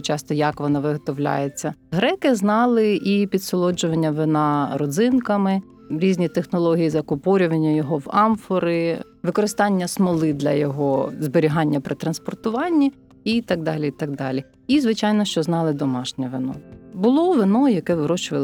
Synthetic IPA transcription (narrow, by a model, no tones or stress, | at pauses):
t͡ʃɑst̪ɔjɐkʋɔnɑʋɪɦɔt̪ɔʋlʲa̰jet͡sʲːɐɦɾɛkɪznɑlˠɪʔipʲid̪sɔlˠɔd͡ʒʊʋɐnʲːɐʋɪnɑɾɔd̪zɪnkɐmɪ | ɾʲizʲnʲit̪exnɔlˠɔɦʲijizɐkʊpɔɾʲʊʋɐnʲːɐjɔɦɔʋɑmfɔɾɪ | ʋɪkɔɾɪst̪ɑnʲːɐsmɔlˠɪd̪lʲɐjɔɦɔzbeɾʲiɦɑnʲːɐpɾɪt̪ɾɐnspɔrt̪ʊʋɑnʲːi | it̪ɑɡ̚d̪ɑlʲiit̪ɑɡ̚d̪ɑlʲi | izʋɪt͡ʃɑjnɔʃt͡ʃɔznɑlˠɪd̪ɔmɑʃnʲɛʋɪnɔ̰bʊlˠɔʋɪnɔjɐkɛʋɾɔt͡ʃʊʋɐlˠ